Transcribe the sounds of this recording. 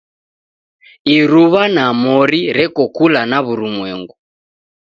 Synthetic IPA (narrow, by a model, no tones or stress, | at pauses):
iɾuβanamɔɾiɾɛkɔkulanaβuɾumwɛŋɡu